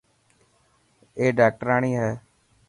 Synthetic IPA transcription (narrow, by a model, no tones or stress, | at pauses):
eːɖaːk̚ʈəɾaːɳiːɦɛː